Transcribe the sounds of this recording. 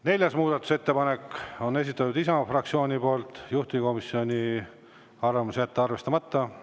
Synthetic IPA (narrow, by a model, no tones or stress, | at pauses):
ne̞lʲjɑsmuːd̪̥ɑt̪ːˑu̥se̞t̪ːe̞pɑne̞ko̞ne̞s̬ʲit̪ːˑɑt̪ːˑud̪isɑfrɑk̚t̪sio̞ːnʲipo̞ːlt̪juht̪iiko̞misːio̞nʲi | ɑrvɑmusjæt̪ːeɑrve̞st̪ɑmɑt̪ːɑ